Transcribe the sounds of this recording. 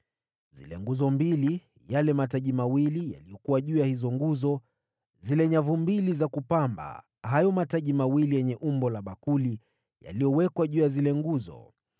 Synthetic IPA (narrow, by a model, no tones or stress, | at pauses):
z̥ḭlɛ̰ŋɡuzɔmbili | jalɛmataʄimawilija̰lijɔkuwaʄuːjahizɔŋɡuzɔ | zilɛɲavumbilizakupamba̰ | hajɔmataʄimawilijɛɲɛʔumbɔlaɓakuli | ja̰lijɔwɛkwaʄuːjazilɛŋɡuzɔ̰